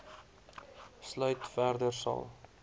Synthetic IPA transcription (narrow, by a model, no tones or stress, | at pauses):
slœɥtfæːrdərsɑ̰lˠ